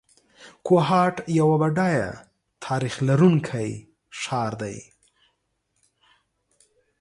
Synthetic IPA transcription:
koɦɑʈjawabaɖɑja̰ | t̪ʰɑɾixlaɾuŋkʰaj | ʃɑɾd̪a̰j

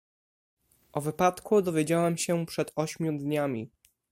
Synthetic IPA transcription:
ʔɔvɘpat̪kud̪ɔvʲjed͡ʑawɛmɕɛpʂɛt̪ɔɕmʲjud̪ɲamʲi

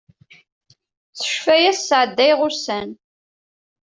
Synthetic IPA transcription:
t͡sə̥ʃfæjæsːʕəd̪ːæjʁʊɾsæn

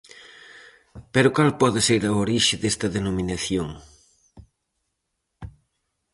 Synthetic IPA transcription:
peɾʊkalpɔðɪseɾɐoɾiʃɪðest̪ɐðenomĩnaθjoŋ

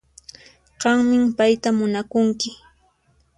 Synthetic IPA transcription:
ɢɑŋmɪmpajt̪amʊnakʊŋkɪ

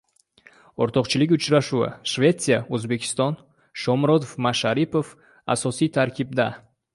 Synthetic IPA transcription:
ɔɾt̪ʰɒqt͡ʃʰilikʲut͡ʃɾaʃua̰ʃvʲe̞t̪sijaøzbe̞kʲʰi̥st̪ɒn | ʃɒmɾɔd̪ofmaʃaɾipo̞f | a̰sɒsit̪ʰaɾkʲʰib̚d̪a

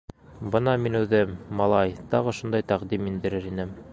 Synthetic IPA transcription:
bɤnɑminʉðɘmːɑlˠɑjt̪ɑʁɤ̆ʃund̪ɑjt̪æqd̪imind̪ɘ̆ɾɘɾinɘm

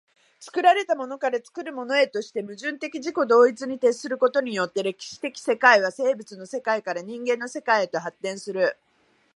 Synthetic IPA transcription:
t͡sɨ̥kɯ̟ɾaɾe̞t̪amo̞no̞kaɾat͡sɨ̥kɯ̟ɾɯ̟mo̞no̞e̞t̪o̞ɕi̥t̪e̞mɯ̟ʑɨ̃nt̪e̞kʲiʑiko̞d̪o̞ːit͡sɨɲ̟it̪e̞sɨɾɯ̟ko̞t̪o̞ɲ̟ijo̞t̪ːe̞ɾe̞kʲi̥ɕi̥t̪e̞kʲi̥se̞kaiβ̞ase̞ːbɯ̟t͡sɨno̞se̞kaikaɾaɲ̟ĩŋɡẽ̞nːo̞se̞kaiet̪o̞ɦat̪ːẽ̞ɰ̃sɨɾɯ̟

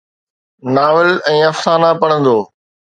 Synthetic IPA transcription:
naːʋɪlɛ̃ːɐfsaːnapɐɽ̃ə̃nd̪oː

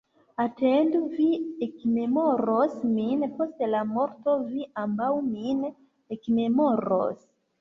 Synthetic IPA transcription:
atenduviekme̞mo̞ɾosminpo̞stelamo̞ɾto̞viʔambawmin | ekme̞moɾo̰s

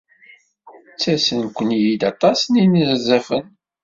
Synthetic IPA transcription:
t͡sːæsənkʷːənjid̪ɑt̪ˤɑsninəzzˤəfən

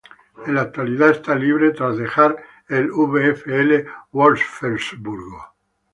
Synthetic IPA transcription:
elat̪ːualiðaest̪aliβɾet̪ɾazðexaɾ | eluβeɛfeelewoɾsfelsbuɾɡo

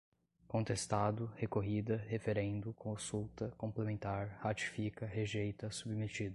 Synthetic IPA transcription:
kõnt̪est̪ad̪ʊhekoɦid̪ɐhefeɾẽnd̪ʊkõsuwt̪ɐkõmplemẽnt̪aɾhat͡ʃi̥fikɐɦeʒejt̪ɐsubmet͡ʃid̪ʊ

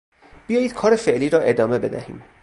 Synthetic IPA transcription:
b̥ijɒːjiːd̪̥̚kʰɒːɾefe̞ʔliːɾɒːʔe̞d̪ɒːme̞be̞̰d̪æ̰hḭːm

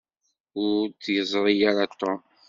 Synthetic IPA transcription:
ʊɾt͡sːjəzˤɾˤijaɾɑt̪ːɔ

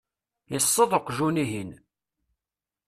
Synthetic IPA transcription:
jəsˤːəðˤəqːʒuniɦin

